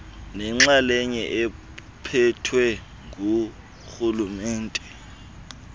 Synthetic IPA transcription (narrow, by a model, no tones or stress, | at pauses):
nɛŋ͡ǁalɛɲɛʔɛ | pʰɛtʰwɛ | ŋu | xulumɛːntʼɛ